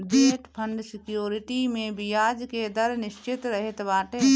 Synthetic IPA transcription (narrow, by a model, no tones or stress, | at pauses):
deːʈpʰə̃ɳɖsɪkjoːɾɪʈimẽbɪjaːd͡ʒked̪əɾnɪʃt͡ʃɪt̪ɾəɦɪt̪baːʈe